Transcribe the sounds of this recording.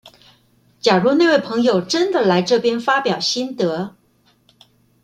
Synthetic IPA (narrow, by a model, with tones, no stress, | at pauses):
t͡ɕja˨˩ɻu˧˥ne˥˧ɪwe˥˩ɪpʰɤ˧˥ŋjo˨˩ʊʈ͡ʂə˥nd̪ə˨la˧˥ɪʈ͡ʂɤ˥˩pjɛ˥nfa˥pjɑ˨˩ʊɕi˥nt̪ɤ˧˥